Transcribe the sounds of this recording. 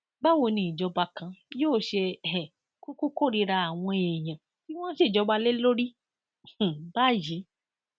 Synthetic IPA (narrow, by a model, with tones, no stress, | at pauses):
ba˦wo˧nĩ˨i˨d͡ʒɔ˧ba˧kã˧joː˦˨ʃe˧˨ɛ˨ | ko˦ko˦ko˦˨ɾi˧ɾa˧a˨w̃ɔ̃˧˨ɛ̃˨j̃ã˨ | ti˦w̃ɔ̃˦ʃe˦˨d͡ʒɔ˧ba˧le˦lo˦ɾĩ˦˨ | ba˦˨ji˨˦